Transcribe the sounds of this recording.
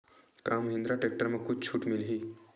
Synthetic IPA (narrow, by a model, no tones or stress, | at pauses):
kamɦĩnd̪ɾaʈek̚ʈəɾməkut͡ʃt͡ʃʰuːʈmilɦiː